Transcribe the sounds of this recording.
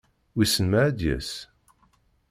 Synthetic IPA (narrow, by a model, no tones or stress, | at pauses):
wisənmæʕæd̪jæ̰s